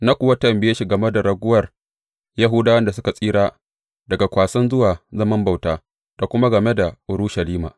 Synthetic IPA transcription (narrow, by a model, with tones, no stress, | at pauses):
na˦kʷʊ˨wɐ˦tɐ˨mbɪ˦je˦ʃi˦ɡɐ˨me˦da˨ɽɐ˨ɡʷʊ˦wɐ˨r | ja˦ɦʊ˦daː˦wɐ˦nda˨sʊ˦ka˨sʼiː˦ɽaː˦ | dɐ˨ɡa˨kʷaː˨sɐ˦nzʊ˦waː˨zɐ˦mɐ˦mba˨wtaː˦ | d̥a˨kʷʊ˦ma˦ɡɐ˨me˦da˨ʔʊ˨ɾu˦ʃɐ˨liː˦ma̰ː˨